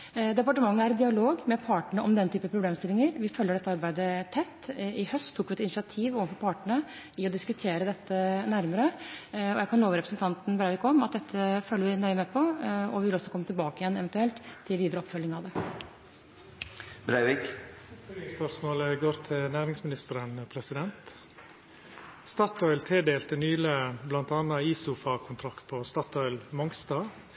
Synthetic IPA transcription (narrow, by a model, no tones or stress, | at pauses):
d̪ɛpɑʈəmɑŋːəæɾɛd̪ɪɑloːɡmɛpʰɑːʈəɳəɔmd̪ɛnt̪ʰyːpəpʰɾʊbleːmst̪ɪlɪŋəɾʋɪfœlːəɖɛt̪ːəɑɾbæɪd̪ət̪ʰɛt̪ːɪhœst̪ʰːuːkːʋɪɛt̪ɪnɪʂɪɑt̪ʰiːʋoːʋənfɔɾpʰɑːʈəɳə | ɪɔd̪ɪskʉt̪ʰeːɾəd̪ɛt̪ːənæɾməɾəɔjækʰɑnːoːʋɾɛpɾəsnt̪ʰɑnt̪n̩bɾæɪʋɪːkʰːɔmɑt̪̚d̪ɛt̪ʰːəføːlːəʋɪnœʏəmɛpʰɔɔʋɪʋɪlɔsːɔkʰɔmːət̪ɪlbɑːkəɪjɛnɛʋɛnt̪ʉɛlt̪ʰːɪlʋiːd̪əɾəɔpfœlːɪŋɑʋd̪ɛ | bɾæɪʋik | əspœʂmoːləɡoːɾt̪ʰɪlnæːɾɪŋsmɪnɪst̪əɾənpʰɾɛsɪd̪ɛnt̪ | st̪ɑːt̪ʰɔʏlt̪ʰeːd̪eːlt̪ənyːløːblɑnt̪ɑːnɑiːsʊːfɑkʰʊnt̪ʰɾɑkt̪̚pʰɔst̪ɑːt̪ʰɔʏlmɔŋst̪ɑː